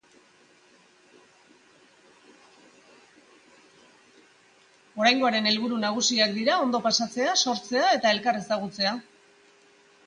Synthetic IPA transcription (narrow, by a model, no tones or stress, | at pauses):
o̞ɾajŋɡo̞aɾe̞ne̞lβuɾunaɣ̞usiakd̪iɾao̞nd̪o̞pasat͡se̞aso̞ɾt͡se̞ae̞t̪ae̞lkare̞saɣ̞ut͡se̞a